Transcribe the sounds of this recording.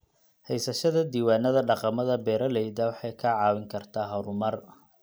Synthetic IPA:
hɛjsɐʃɐðɐd̪iːwaːnɐðɐɖɑqɑmɐðɐbɛːɾɐlɛjd̪ɐːwɑħɑjkʰɐʕɑːwɪŋkʰɐrt̪ʰaːɦɐɾʊmɐr

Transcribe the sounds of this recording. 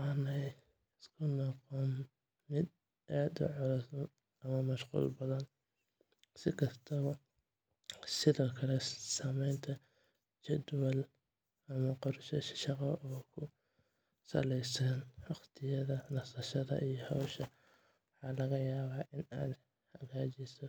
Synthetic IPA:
ʔaːnɛj | ɪskʰʊnɔqɔn | mɪd̪ | ʔaːd̪ʊ̰ʕɔlɐs | ɐmɐmɐʃqṵːlbɐðɐn | sɪkʰɐst̪ʰɐβɐ | sɪðɔːkʰɐlɛsamɛjnt̪ʰɐ | t͡ʃɛd̪wɛl | ʔɐmɐqɔrʃɐʃʃɑqɑfɔːkʰʊ | sɐ̰lɛjsɐnwɑχt̪ʰɪjɐðɐnɐsɐʃɐðɐ̰ʔijɔhɔwʃɐ | wɑħɑːlɐɣɐjaːβaːʔɪna̰ːd̪ | hɐɣaːt͡ʃɪsɔ

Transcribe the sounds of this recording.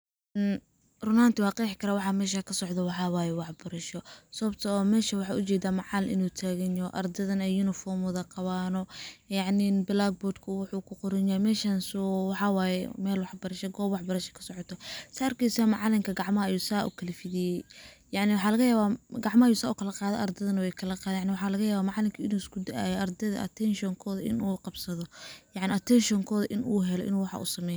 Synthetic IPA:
n | rʊnaːnt̪ʰɪwɑːqɛːħɪkʰɐɾaːwɑħɑmɛːʃ̬aːkʰɐsɔʕd̪ɔwɑħɑːwɑːjɛwɑħbɐɾɐʃɔsɐβɐb̚t̪ʰɐɔːmɛːʃɐwɑħɑːʔʊt͡ʃɛːd̪aːmɑʕɑlʔɪ̰nuːt̪ʰaːɣɛnɔʔɐ̰rd̪ɐðɐnɛjunɪfɔːmʊðɐqɑβaːnɔjɑʕninbɪlaɡ̚bɔːrd̪kʰʊwʊħuːkʰʊqʊɾɪnjamɛːʃansuwɑħɑwaːjɛmɛːlwɑħbɐɾɐʃɛɡɔːbwɑħbɐɾɐʃɛ̥kʰɐ̥sɔʕɔt̪ʰɔsaːɐrkʰɛjsamɑʕlɪŋkʰɐɡɑʕmɐɦɐɐjuːsaːʔṵkʰɐlɐfɪðɪjɛjjɑʕnɪwʊħɑːlɐɣɐjaːβaɡɑʕmɐhajuːsaːʊkʰɐlɐqɑːðɛ̰ʔɐrd̪ɛðɐnɐwɛjkʰɐlɐqɑːðnjʕnɪwɑħɑːlɐɣɐjaːβaːmɑʕɑlɪmkʰiɪnuːɪskʰʊd̪ɐʔa̰ːjɔʔɐrd̪ɛðɐ̰ʔɐ̰t̪ʰɛnʃɔŋkʰɔːðɐʔɪ̰nuːqɑbsɐðɔjɑʕnɪɐt̪ʰɛnʃɔŋkʰɔːðɐʔɪnʔuːɦɛlɔ̰ʔɪ̰nuːwɑħɑ̰ʔṵːsɐmɛj

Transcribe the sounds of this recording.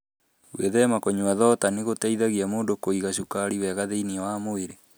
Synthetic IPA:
weðɛmakoɲuaðɔtaneɣotaiðaɣiamoːndokoiɣaʃukaɾiwɛɣaðeiniawamoeɾe

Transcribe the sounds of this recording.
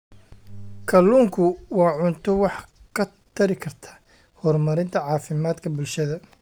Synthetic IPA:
kʰɐluːŋkʰʊwɑːʕʊnt̪ʰɔwɑħkʰɐ | t̪ʰɐɾɪkʰɐrt̪ʰḁː | hɔrmɐɾɪnt̪ʰɐʕɑːfɪmaːd̪kʰɐbʊlʃɐðɐ

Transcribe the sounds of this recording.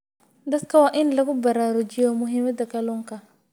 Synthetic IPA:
d̪ɐd̪kʰɐwaːʔɪnlɐɣʊbɐɾaːɾʊd͡ʒɪjɔmʊɦɪmɐd̪ɐkɐlɔːŋkʰɐ

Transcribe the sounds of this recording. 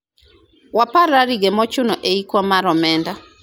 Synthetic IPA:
wapaɾaɾiɡemɔt͡ʃʊnɔʔeikwɔmaɾɔmɛnda

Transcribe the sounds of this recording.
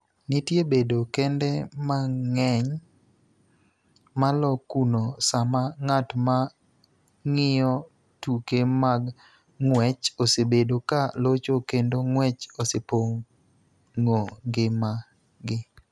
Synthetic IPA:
nɪtjebedokɛndɛmaŋɛɲ | malɔkunosamaŋatma | ŋɪjɔ | tukemaɡ | ŋwɛt͡ʃosebedokalot͡ʃokendoŋwɛt͡ʃosepoŋ | ŋoɡɪma | ɡɪ

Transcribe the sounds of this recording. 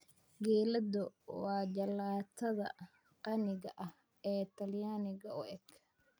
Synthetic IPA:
ɡɛːlɐd̪ʊwɑːd͡ʒɐlaːt̪ʰɐðɐ̰ | qɑnɪɣɐʔɐh | ɛːt̪ʰɐljaːnɪɣɐʊʔɛɡ

